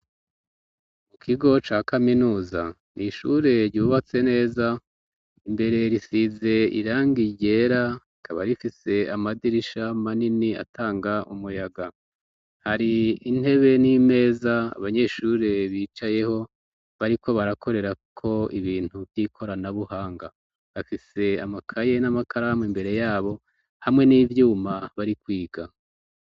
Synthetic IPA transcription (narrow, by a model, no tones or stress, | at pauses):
mukʰiɡo̞t͡ʃaːkaminuːza̰ | niʃuɾe̞ɾɟuːβat͡se̞ne̞ːza | imbe̞ɾe̞ɾisize̞ḭɾaːŋɡiɟe̞ːɾaikʰaβa̰ɾifise̞amadiɾiʃamaninia̰tʰaːŋɡaʔumujaɡa | haɾiin̥e̞βe̞nime̞ːza̰ːβaɲe̞ʃuːɾeβiːt͡ʃaje̞ho̞ | βaɾiko̞βaɾakʰo̞ɾe̞ɾakʰo̞iβiːn̥huvjikʰo̞ɾanaβuhaːŋɡa | βafise̞a̰makʰaje̞namakʰaɾamwimbe̞ɾe̞jaːβo̞ | hamŋe̞niːvjuːmaβaɾikwiːɡ̥a